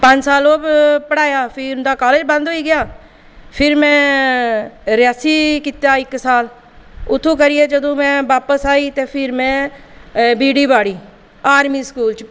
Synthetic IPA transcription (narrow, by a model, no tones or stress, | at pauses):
pə̃ɲd͡ʒsaːloːbpəɽaːjaːpʰɪʊnd̪aːkaːleːd͡ʒbə̃nd̪ɦoːiːɡɪjaː | pʰɪɾmɛ̃ː | ɾɪjaːsiːkit̪jaːɪksaːl | ʊt̪ʰːõːkəɾɪjeːd͡ʒəd̪õːmɛ̃ːʋaːpəsaːiːt̪eːpʰɪɾmɛ̃ː | biːɖiːbaːɽiː | aːɾmiːskuːlt͡ʃ